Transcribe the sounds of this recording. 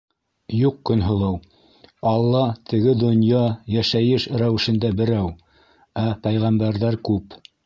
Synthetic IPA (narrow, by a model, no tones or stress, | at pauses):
juqkɵ̆nɦŏlˠɤw | ɑlˠːɑt̪ʰɘ̆ɡɘd̪ŏnjɑjæʃæjɘʃɾæwɘ̆ʃɘ̆nd̪æbɘ̆ɾæw | æpæjʁæmbæɾðæɾkʉp